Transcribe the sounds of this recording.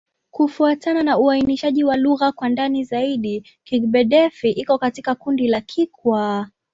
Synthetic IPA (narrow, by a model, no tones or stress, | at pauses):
kufuatananauainiʃaʄiwaluɣakwandanizaiɗi | kikɓɛɗɛfiʔikɔkatikakundilakʰikwa